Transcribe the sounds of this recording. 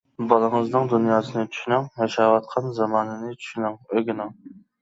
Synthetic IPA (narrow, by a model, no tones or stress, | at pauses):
bɑlˠɨŋɨznɨŋd̪unjɑːsɨnɨt͡ʃʰy̥ʃynæŋhɑʃɑːwɑt̪̚qʰɑnzɑmɑːnɨnɨt͡ʃʰy̥ʃynæŋøɡʲɪnɪŋ